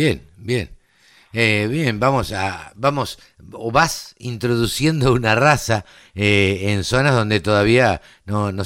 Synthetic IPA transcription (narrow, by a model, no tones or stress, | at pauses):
jenbjen | eβjembamo̞sa̰bamo̞s | oβasint̪ɾo̞ðusje̞nd̪o̞unarasa | eenso̞nazð̞o̞nd̪e̞t̪o̞ðaβ̞ia | nono